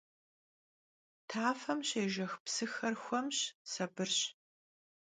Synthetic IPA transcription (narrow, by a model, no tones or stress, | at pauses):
tʰaːfɐmɕeːʒɐxpsɨxɐrxʷɐmɕsɐbɨrɕ